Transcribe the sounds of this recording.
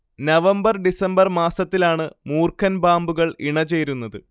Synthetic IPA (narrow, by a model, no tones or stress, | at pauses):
nɐʋɐmbɐrɖisɐmbɐrmaːsɐt̪ːilaːɳɨmuːrkʰɐnbaːmbuɣɐɭiɳɐt͡ɕe̞jɾunːɐðɨ